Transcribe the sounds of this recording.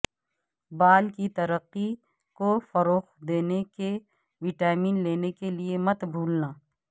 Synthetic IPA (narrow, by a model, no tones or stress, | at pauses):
baːlkit̪ɐɾəqːi | kofɐɾoːxd̪eːneke | ʋɪʈaːmiːnleːnekeliemɐt̪bʱuːlnaː